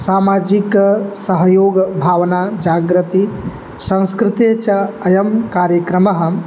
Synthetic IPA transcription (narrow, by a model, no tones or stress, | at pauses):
saːmaːd͡ʒiksɐɦɐjoːɡbʱaːʋɐnaːd͡ʒaːɡɾɐt̪i | sɐ̃ŋskɾɪt̪et͡ʃɐɐjɐmkaːɾjɐkɾɐmɐɦɐ̆